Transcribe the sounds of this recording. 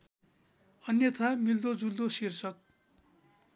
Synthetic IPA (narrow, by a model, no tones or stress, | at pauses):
ʌnjʌt̪ʰamild̪od͡zuld̪osirt͡sʰʌk̚